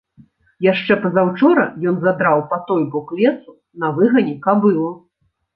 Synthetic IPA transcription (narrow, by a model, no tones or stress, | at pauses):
jaʂt͡ʂɛpɐzawt͡ʂɔɾɐ̰jɔnzad̪ɾawpat̪ɔjbɔklʲɛt̪su | nɐvɨɣɐnʲɛkabɨlˠu